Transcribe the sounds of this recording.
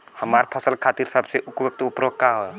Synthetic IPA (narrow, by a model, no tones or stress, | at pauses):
həmaːɾpʰəsəlkʰaːt̪iːɾsəbseʔʊpwʊk̚t̪ʊpɾokkaɦoj